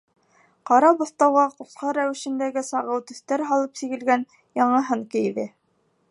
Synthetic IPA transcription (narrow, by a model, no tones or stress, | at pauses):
qɑɾɑbŏθt̪ɑwʁɑqusqɑɾæwɘ̆ʃɘ̆nd̪æɡɘsɑʁɤwt̪ɵ̆θt̪æɾɦɑlˠɤpsiɡɘ̆lɡæn | jɑɴɤ̆ɦɤɴkɘ̆jðɘ